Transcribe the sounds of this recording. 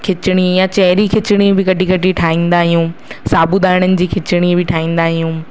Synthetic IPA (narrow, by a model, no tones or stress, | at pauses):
kʰɪt͡ɕɪɽ̃ijãt͡ɕɐɦɪɾikʰɪt͡ɕɪɽ̃ibɪkɐʈʰikɐʈʰiʈʰaːĩːn̆d̪aːɦɪjũːsaːbud̪aːɪɽ̃ənɪ̆d͡ʑiːkʰɪt͡ɕɪɽ̃ibɪʈʰaːĩːn̆d̪aːɦɪjũː